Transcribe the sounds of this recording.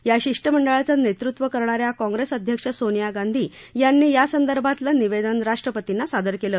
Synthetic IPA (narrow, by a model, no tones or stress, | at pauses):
jaɕiʂʈəm̤əɳɖəɭat͡sanet̪ɾut̪ʋəkəɾɳaɾjakɔ̃ŋɡɾesəd̪ʱjəkʂəsonijaɡand̪ʱiː | janːiːjasənd̪əɾbʱat̪ləniʋed̪ənɾaʂʈɾəpət̪inːasad̪əɾkelə